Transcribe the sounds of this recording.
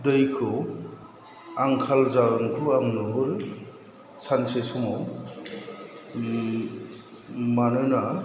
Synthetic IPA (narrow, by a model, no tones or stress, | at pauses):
dɯjkʰɯ | aŋkʰalzaɡɔnkʰuaŋnɯɦɯɾ | sʰansesɔmaw | manɯna